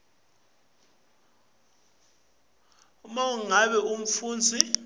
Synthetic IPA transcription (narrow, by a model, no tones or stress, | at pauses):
mauŋaɓɛʔum̩fuːnd͡zʱi